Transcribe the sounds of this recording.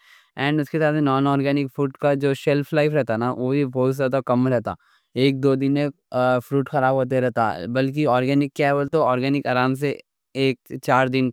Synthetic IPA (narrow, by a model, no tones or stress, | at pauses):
ɛ̃ːɳɖʊskesaːt̪enɔːnɔːɾɡɛːnɪkfʰɾuːʈkad͡ʒoːʃɛlfʰlaɪfɾɛɦt̪anaʋoːbʱibɔɦʊt̪zjaːd̪akɐmɾɛɦt̪a̰ː | eːk̚d̪oːd̪ɪnẽ | fɾuːʈxɐɾaːbɦoːt̪̬eɾɛɦt̪a̰bɐlk̬iɔːɾɡɛːnɪkːjaɦɛʋəlt̪oɔːɾɡɛːnɪkaːɾaːms̬e | eːk̚t͡ʃaːɾd̪ɪn